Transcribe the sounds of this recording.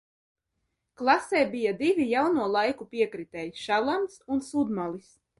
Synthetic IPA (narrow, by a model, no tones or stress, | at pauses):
klˠasɛːbijad̪ivʲijawnuɔlˠajkupiɛkɾit̪ɛjisʃalˠamsunsud̪malˠis